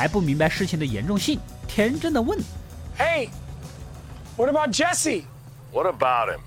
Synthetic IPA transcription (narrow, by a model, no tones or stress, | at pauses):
aɪpumiŋbaɪʂɻ̩t͡ɕʰiŋd̪əjɛ̰nʈ͡ʂʊŋɕiŋt̪ʰjɛʈ͡ʂənd̪əwənheɪ | wʌɾəbaʊt̚d̥ʒ̥ɛsi | wʌɾəbaʊt̚ɪ̰̃m